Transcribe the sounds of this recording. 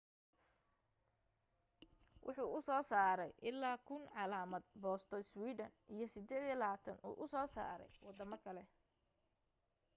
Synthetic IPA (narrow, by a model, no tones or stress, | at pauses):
wʔʊ̰ħuːʔʊsɔːsaːɾɛjʔɪlːaːkʰʊnʕɑlaːmɐd̪̚bɔːst̪ʰɔɪswiːd̪ɐnʔijɞsɪd̪ɛːðjɐlɐaːt̪ʰɐnṵːʔʊsɔːsa̰ːɾɛ̰jwɑd̪ɐmɐkʰɐlɛ